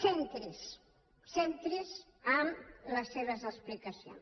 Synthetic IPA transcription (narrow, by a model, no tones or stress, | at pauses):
sent̪ɾes | sent̪ɾes | amləsːeβəzəsplikɐsjo̰ns